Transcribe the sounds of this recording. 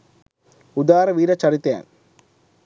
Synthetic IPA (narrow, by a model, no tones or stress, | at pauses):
ʊðaːɾɐʋiːɾɐt͡ʃːɐɽɪt̪ːa̰ːn